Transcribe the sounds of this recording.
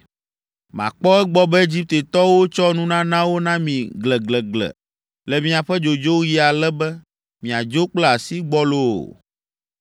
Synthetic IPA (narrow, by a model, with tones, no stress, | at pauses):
mã̰˨k͡pɔ˦ɛ˦ɡ͡bɔ˦bɛ˦e˦d͡ʑi˦p̚t̪e˨t̪ɔ˦wo˦t͡ʃɔ˦nũ˦nã˦nã˦wo˦nã˦mĩ˨ɡlɛ˨ɡlɛ˨ɡlɛ̰˨ | lɛ˨mĩ˦a˨ɸɛ˦d͡ʒo˨d͡ʒo˦ji˦a˨lɛ˦bɛ˦ | mĩ˨a˨d͡ʒo˦k͡plɛ˦a˨si˦ɡ͡bɔ˦lo̰˦˨